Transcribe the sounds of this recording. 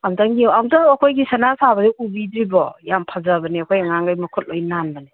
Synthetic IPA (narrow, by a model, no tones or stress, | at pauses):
amdaŋɡiamdaɐkʰojɡisanasabɐdiubidɾibɔjampʰazabɐniɐkʰojaŋaŋɡajmɐkʰɔt̚lojnanbɐni